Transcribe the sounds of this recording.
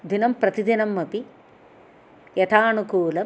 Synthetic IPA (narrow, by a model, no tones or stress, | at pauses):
d̪inɐmpɾɐt̪id̪inɐmːɐpi | jɐt̪ʰaːnukuːlɐ